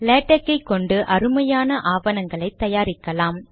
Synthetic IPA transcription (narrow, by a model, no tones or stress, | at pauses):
leːʈːɐkːɐɪkːɔɳɖɯʔɐɾɯmɐjaːnɐʔaːʋɐnɐŋɡɐɭɐɪt̪ːɐjaːɾɪkːɐlaːm